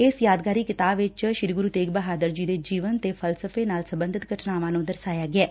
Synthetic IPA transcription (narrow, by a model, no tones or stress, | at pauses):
ɪsjaːd̪ɡaːɾiːkɪt̪aːbʋɪt͡ʃʃɪɾiːɡʊɾuːt̪eːɡbəɦaːd̪əɾd͡ʒiːd̪eːd͡ʒiːʋənt̪eːpʰəlsəpʰeːnaːlsəmbənd̪ɪt̪ɡʱəʈʰnaːʋãːnũːd̪əɾsaːjaːɡɪɛː